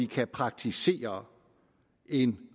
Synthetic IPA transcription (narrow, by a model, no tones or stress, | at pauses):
ikʰæpʰʁɑ̈ɡ̥̚t͡sʰise̝̰ːɐ | e̝n